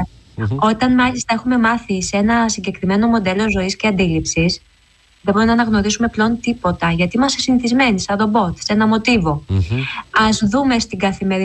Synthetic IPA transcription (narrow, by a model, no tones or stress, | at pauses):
o̞t̪ɐnmɐlist̪ɐe̞xume̞mɐθisee̞nɐsiɲɟe̞kɾime̞no̞mo̞d̪e̞lo̞zo̞isceɐnd̪ilipsis | ðeboopenɐːnɐɣno̞ɾisume̞pleont̪ipo̞t̪ɐʝɐt̪iimɐst̪e̞siniθizme̞nisɐd̪o̞bo̞t̪senɐmo̞t̪ivo̞ | ɐzðume̞st̪iɡɐθime̞ɾi